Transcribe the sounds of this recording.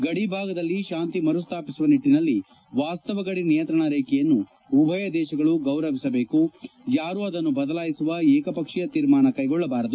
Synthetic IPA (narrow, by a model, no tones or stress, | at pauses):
ɡɐɽibʱaːɡɐd̪ɐlːiʃaːnt̪imɐɾust̪ʰaːpisuʋɐniʈːinɐlːi | ʋaːst̪ɐʋɐɡɐɽinijɐnt̪ɾɐɳɐɾeːkɛjɐnːuː | bʱɐjɐd̪ɛːʃɐɡɐɭuɡɐwɾɐʋisɐbeːkujaːɾuɐd̪ɐnːubɐd̪ɐlaːjisuʋɐɛːkɐpɐkʂɛjɐt̪iːɾmaːnɐkɐjɡɔɭːɐbaːɾɐd̪u